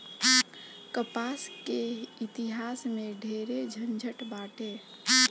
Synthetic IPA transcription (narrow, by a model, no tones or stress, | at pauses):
kəpaskeit̪iɦasmeɖʱeɾed͡ʒʱənd͡ʒʱəʈbaʈe